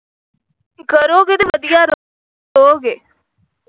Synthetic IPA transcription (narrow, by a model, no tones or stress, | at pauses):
kəɾoːɡet̪eʋəd̪ɪjaːɾo | oːɡeː